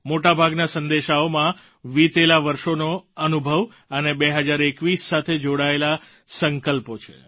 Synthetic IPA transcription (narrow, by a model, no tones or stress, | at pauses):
moʈabʱaɡnasənd̪eʃaomã | ʋit̪elaʋəɾʃonoənubʱəʋ | ənebeɦəd͡ʒaɾekʋisːat̪ʰed͡ʒoɽaela | səŋkəlpot͡ʃʰḛ